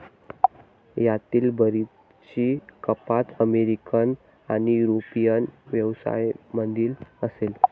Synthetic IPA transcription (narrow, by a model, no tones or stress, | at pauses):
jat̪iːlbəɾi | t͡ɕiːkəpat̪əmeɾikən | anijuɾopijənʋjəʋsa̰jmənd̪iːləsel